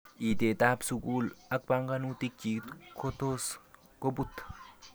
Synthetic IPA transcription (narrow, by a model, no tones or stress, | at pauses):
ʔit̪et̪aːbsukuːlak̚baŋɡanut̪ik̚t͡ʃit̪kʰot̪os | kobut̪